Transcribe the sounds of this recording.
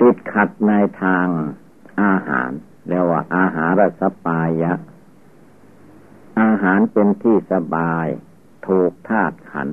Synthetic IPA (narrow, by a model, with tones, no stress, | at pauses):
t̪i˨˧˩t̪̚kʰa˨˩t̪̚na˧jt̪ʰaː˧ŋ | ʔaː˧ɦa̰ː˩˦n | lɛː˧waː˧˩ʔaː˧ɦaː˩˦nɾa˧˩t̪̚sa˧paː˧jːa˦˥ʔ | ʔaː˧ɦaː˩˦npe˧nt̪ʰiː˥˩sa˧baː˧j | t̪ʰuː˨˩k̚t̪ʰaː˥˩t̪̚kʰa̰˩˦n